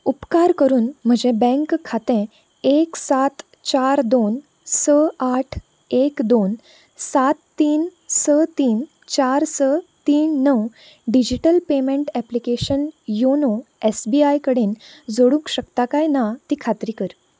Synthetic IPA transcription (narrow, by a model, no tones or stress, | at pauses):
upkaɾkəɾuːnm̤əd͡ʑebɛ̃ŋkkʰːat̪ɛ̃ | eksat̪ | t͡ɕaɾd̪on | səaʈʰ | ekd̪on | sat̪ːiːnsət̪iːn | t͡ɕaɾsət̪iːnːəw | ɖid͡ʑiʈəlpemẽɳʈɛplikeɕənjonoesbiajkəɽeːnd͡zoɽũːkɕəkt̪akajnat̪iːkʰat̪ɾiːkəɾ